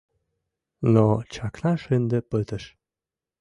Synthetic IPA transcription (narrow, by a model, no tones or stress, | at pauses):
nɔt͡ɕɑklɑʃend̪əpət̪əʃ